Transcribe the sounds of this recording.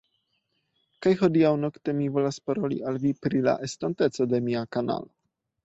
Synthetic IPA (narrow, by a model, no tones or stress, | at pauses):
kajxɔd̪ijawnɔkt̪ɛmivɔlaspɔɾɔlḭʔalvipɾila̰ʔɛst̪ɔnt̪ɛt̪sɔd̪ɛmiakana̰l